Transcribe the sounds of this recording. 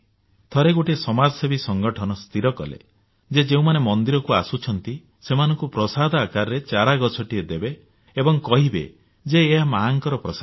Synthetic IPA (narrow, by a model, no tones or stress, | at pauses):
t̪ʰɔɾeɡoʈesɔmad͡ʒɔsebisɔŋɡɔʈʰɔnɔst̪ʰiɾɔkɔ̰lḛ | d͡ʒed͡ʒeũmanemɔnd̪iɾɔkuasut͡ʃʰɔnt̪i | semanɔŋkupɾɔsad̪ʱɔakaɾɔɾet͡ʃaɾaɡɔt͡ʃʰɔʈied̪ebeː | bɔŋkɔɦibḛ | d͡ʒeːɦamaŋkɔɾɔpɾɔsa